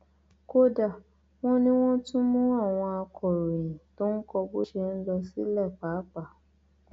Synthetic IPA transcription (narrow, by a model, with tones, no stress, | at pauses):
ko˦da˦˨ | w̃ɔ̃˦nĩ˦w̃ɔ̃˦tũ˦mũ˦a˦˨w̃ɔ̃˧a˧kʰɔ˨ɾõ˨ĩ˨to˦n̩˦kɔ˧bo˦ʃe˧n̩˦lɔ˧si˦lɛ˦˨k͡pa˨˦k͡pa˦˨